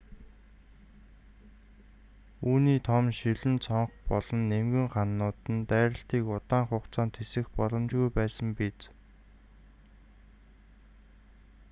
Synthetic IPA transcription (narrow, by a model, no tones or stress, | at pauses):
uːniːt̪ʰɔmʃiɮɘ̆nt͡sʰɔɴχpɔɮ̥ɞ̆nːemɡɘ̆ŋχanːʊːt̪ɘ̆nt̪æːɾə̆ɬt̪iːkʊt̪aːɴχʊːqt͡saːnt̪ʰesɘ̆xpɔɮɞ̆mt͡ɕɣujpæːsə̆mpit͡s